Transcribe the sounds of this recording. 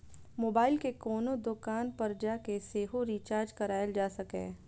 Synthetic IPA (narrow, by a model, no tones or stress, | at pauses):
moːbaːɪlkekɔːnod̪ʊkaːnpɐɾd͡ʒakeseːɦoɾiːt͡ʃaːɾd͡ʒkɐɾaːjəld͡ʒaːsɐkḛ̃ː